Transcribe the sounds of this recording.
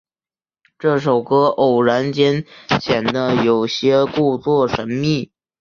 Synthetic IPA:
ʈ͡ʂɤ˥˩ʂo˨˩ʊkɤ˥ʔo˨˩ʊɻa˧˥nt͡ɕjɛ˥nɕjɛ˨˩nd̪ə˦jo˨˩ʊɕjɛ˥ku˥˧t͡swɔ˥˩ʂə˧˥nmi˥˩

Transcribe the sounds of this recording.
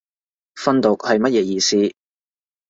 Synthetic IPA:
fɐ˥nt̪o˨˩k̚hɐ˨jmɐ˥t̚jɛː˧˥jiː˨˧siː˥

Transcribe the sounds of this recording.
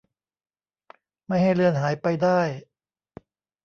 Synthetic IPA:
ma˥˩jha˥˩jlɯ˧ənɦaː˩˦jpa˧jdaː˥˩j

